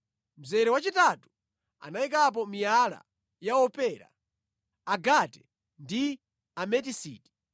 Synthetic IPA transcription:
m̩zɛɾɛwat͡ʃitatu̥ | a̰naik̬ap̬ɔmijala̰ | jaɔpɛːɾa̰ | aɡatɛ̥ | ndi | amɛt̬isḭːti̥

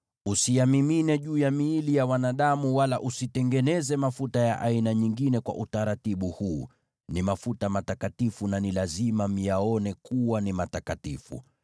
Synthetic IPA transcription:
usiamiminɛʄuːjamiːlijawanaɗamuwalaʔusitɛŋɡɛnɛzɛmafutajaʔainaɲiŋɡinɛkwa̰ʔutaɾatiɓuhuː | nimafutamatakatifunanilazimam̩jaɔnɛkuwanimatakatifṵ

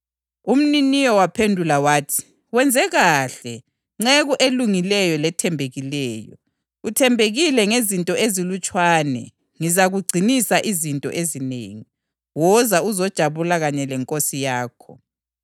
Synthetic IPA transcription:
um̩ninijɔwapʰendʱulawaːtʰi̥ | wɛnd͡zʱɛɣaɬɛ | ŋ͡ǁɛɣuʔeluŋilɛjɔlɛtʰɛmbʱeɣilɛːjɔ̰ | utʰɛmbʱeɣilɛŋezintʼɔʔezilut͡ʃʼwaːnɛ̰ | ŋizaɣuɡ͡ǀʱinisaʔizintʼɔ̰ʔezinḛŋi | wɔzauzɔd̥ʒ̥ʱaβulaɣaɲɛlɛŋkʼosijaːkʰɔ̰

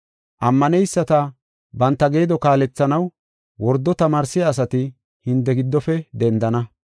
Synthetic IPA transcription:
ʔɐmːɐnɛjsːɐt̪ɐ | bɐnt̪ːɐɡe̞ːd̪ɔkaːlɛt͡sːɐnɐw | wɔɾd̪ːɔt̪ɐmaːɾsːɪjaːs̬ɐt̪ɪ | hɪnt̪ːɛɡɪd̪ːɔfɛd̪ɛnd̪ɐnɐ

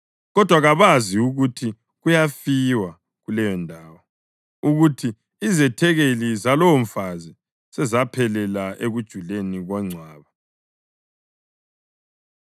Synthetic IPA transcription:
ɣɔd̥ʱwaɣaβaziuɣutʰi | ɣujafiwa | ɣulɛjɔndʱaːwɔ | uɣutʰiː | zɛtʰɛɣelizalɔwɱfazi | sɛzapʰɛlɛlaʔeɣud̥ʒ̥ʱuleniɣwaŋ͡ǀʱwaːβa

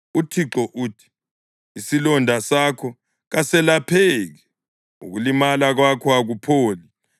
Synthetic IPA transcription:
utʰiǁɔʔuːtʰi̥ | isilɔndʱasakʰɔ | ɣasɛlapʰɛɣɛ | ṵɣulimalaɣwakʰɔaɣupʰoːli

